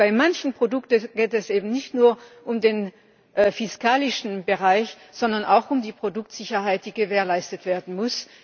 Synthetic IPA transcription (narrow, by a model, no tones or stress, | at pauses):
b̥aɪmançn̩pʁ̥odʊktəɡ̥eːtɛsʔeːbm̩nɪçtnuːɐʔʊmdeːn | ʔfɪskaːlɪʃn̩bəʁaɪç | z̥ɔndɐna̰ʊxʊmdiːpʁ̥odʊk̚tz̥ɪçɐɦaɪt̚d̥iːɡəveːɐlaɪstətv̥eːɐdn̩mʊs